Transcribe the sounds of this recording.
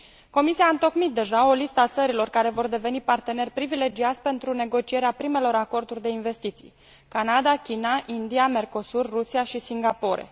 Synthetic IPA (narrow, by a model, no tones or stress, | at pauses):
ko̞misiaɨnt̪o̞kmit̪̚d̪e̞ʒao̞list̪əat̪səɾilo̞rkaɾe̞vo̞rd̪e̞ve̞nipart̪e̞ne̞rʲpɾivile̞d͡ʒiat̪sʲpe̞nt̪ɾune̞ɡo̞t͡ʃie̞ɾeapɾime̞lo̞ɾako̞rd̪urʲd̪e̞inve̞st̪it̪sḭj | kanad̪akʲinaʔind̪iame̞rko̞surːusiaʃisiŋɡapo̞ɾḛ